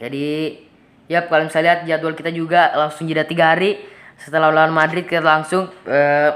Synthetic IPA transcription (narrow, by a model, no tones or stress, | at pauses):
d͡ʒadi | jap̚kalmisaliɦat̪̚d͡ʒat̪ualkit̪ad͡ʒuɡalaŋsʊŋd͡ʒudat̪iɡaɦaɾisət̪əlahulaanmadɾɪt̪̚kit̪alaŋsʊŋə